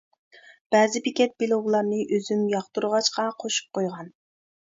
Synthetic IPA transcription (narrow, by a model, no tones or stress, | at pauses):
b̥ɛːzɪbikʲɛt̪̚belˠowlˠɑɾnɨʔøzymjɑχt̪uɾʁɑʃqɑqʰoʃu̥p̚qʰojʁɑn